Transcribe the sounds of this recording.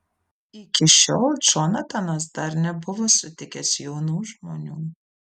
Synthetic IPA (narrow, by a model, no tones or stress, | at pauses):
ɪkʲɪʃʲoːlˠd͡ʒoːnɐt̪ɐnɐs̬d̪ɐɾnʲɛbʊʋoːsʊt̪ʲɪkʲɛsjoːnuːʒmoːnʲuː